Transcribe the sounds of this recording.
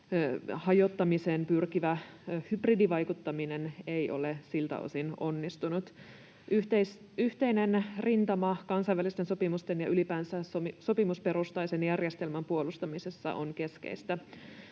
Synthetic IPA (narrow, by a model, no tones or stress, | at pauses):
hɑjo̞t̪ːɑmisenpyrkiʋæhybridiʋɑjkut̪ːɑminenejʔo̞̰lesilt̪æ̰o̰sino̞nːist̪unut̪ | yt̪es | yht̪e̞jnenrint̪ɑmɑkɑnsɑjʋælist̪enso̞pimust̪enjɑʔylipæːnsæoso̞pimuspe̞ɾust̪ɑjsenjærjest̪e̞lmæmpuo̞lust̪ɑmisesːɑ̰ʔo̰nke̞skḛist̪æ